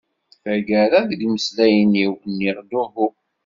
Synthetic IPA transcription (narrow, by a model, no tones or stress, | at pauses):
θæɡəɾaðəɡməslæjniwnːiʁd̪uvu